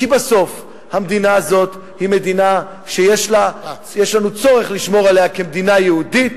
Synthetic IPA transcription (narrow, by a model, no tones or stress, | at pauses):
kibaso̞f | hamd̪inaːzo̞t̪ | hime̞d̪ina | ʃejeʃla | jeʃlanut͡so̞ʁe̞χliʃmo̞ʁalejake̞md̪inajeud̪it̚